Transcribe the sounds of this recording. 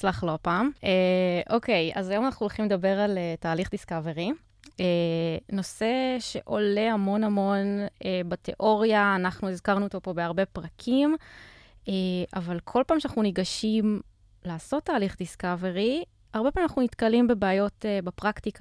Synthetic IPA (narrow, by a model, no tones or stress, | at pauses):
t͡slaχlopaːmeʔoke̞ja̰zajo̞manaχnuolχimled̪abe̞ʁaletaːliχdiskaveʁi | eno̞se̞ʃe̞̰ʔo̞le̞hamo̞namo̞nebat̪eʔo̞ʁjaːnaχnuezkaʁnuot̪o̞po̞beaʁbe̞pʁakʰim | eʔavalkʰo̞lpaːmʃanaχnuniɡaʃim | laːso̞t̪ːaːliχd̪iskaveʁi | aʁbe̞pamnaχnunit̪kalimbebeajo̞tebapʁaktika